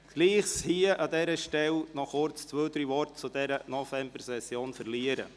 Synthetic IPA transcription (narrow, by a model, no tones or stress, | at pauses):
ɡ̥liːχshiəʔɑd̪ɛɾəʃtɛlnɔχʊɾt͡st͡sʋœːt̪ɾiʋɔrtt͡sud̪ɛɾənɔvɛmb̥əɾsɛsjoːnfərliəɾə̰